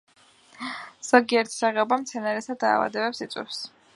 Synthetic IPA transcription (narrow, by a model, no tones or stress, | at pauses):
z̥ɔɡiɛɾt̪ʰi̥saʁɛɔbamt̪sʰɛnaɾɛsad̪a̰ːva̰d̪ɛbɛpsit̪sʼwḭfs